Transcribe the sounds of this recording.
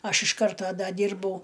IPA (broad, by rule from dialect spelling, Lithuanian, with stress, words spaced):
ˈɐʃ ɪʃ ˈkɐrtoː ˈdɐ ˈdʲiːrbɐʊ